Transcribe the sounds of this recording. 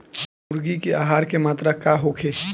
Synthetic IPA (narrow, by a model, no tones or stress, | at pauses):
ʊɾɡikeaːɦaːɾkemaːt̪ɾakaɦokʰeː